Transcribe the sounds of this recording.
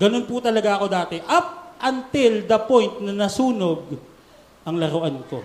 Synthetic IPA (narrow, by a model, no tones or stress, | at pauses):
ɡ̥ɐno̞nput̪ɐlɐɡaʔɐko̞d̪aːt̪ɛʔɐp̚ʔɐnt̪ɪld̪ɐpo̞jnt̪̚nɐnɐsuːno̞ɡ̚ | ʔɐŋlɐɾʊʔanko̞̰